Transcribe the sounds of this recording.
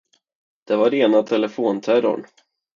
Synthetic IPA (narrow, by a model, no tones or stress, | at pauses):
d̪̥ɛvaɾeːnat̪ʰɛlɛfoːnt̪ʰæɾʊ̰ɳ